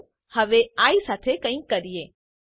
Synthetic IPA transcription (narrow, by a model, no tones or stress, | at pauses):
həʋeaisat̪ʰekə̃ĩkːəɾije